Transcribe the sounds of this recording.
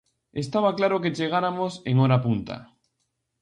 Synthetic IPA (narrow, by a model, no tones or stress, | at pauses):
est̪aβ̞aklaɾoket͡ʃeɣ̞aɾamoseŋoɾapunt̪a̰